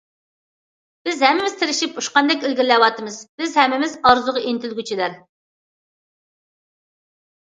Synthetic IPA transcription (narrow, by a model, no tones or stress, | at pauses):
b̥ɪzhɛmːɪmɪz̥t̪ʰɪɾɪʃipuʃqɑnd̪ɛkʲilɡʲɪɾlɛwɑt̪ʰɨmɨzbɪzhɛmːɪmɪzɑɾzʊʁɑint̪ʰɪlɡʲyt͡ʃʰilæɾ